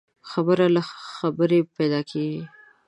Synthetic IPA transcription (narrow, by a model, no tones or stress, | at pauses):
xabəɾalaxabəɾepɛd̪ɑkʰeɡi